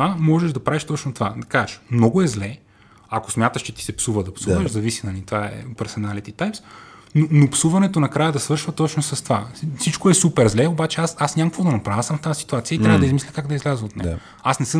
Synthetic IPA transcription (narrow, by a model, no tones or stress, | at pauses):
amɔʒɛʒd̪ɐpɾaviʃt̪ɔt͡ʃnot̪ova̰d̪ɐkaɛʃmnɔɡoɛzlɛ | ako̥smʲjat̪əʃt͡ʃɛt̪i̥sɛpsuvɐd̪ɐpsuʃzɐvisinɐnʲit̪vaɛ̰pɛɾsɛnalit̪it̪ajpsnonopsuvɐnɛt̪onɐkɾajɐd̪ɐsvɤɾʃvɐt̪ɔt͡ʃnosɐst̪ovasit͡ʃkoɛsupɛɾzlɛobat͡ʃɛasasnʲamkvod̪ɐnɐpɾavəsɐmft̪asi̥t̪uat̪sijəit̪ɾʲavəd̪ɐizmislʲikaɡd̪ɐizlʲazəot̪nɛ̰ | asnɛsɤ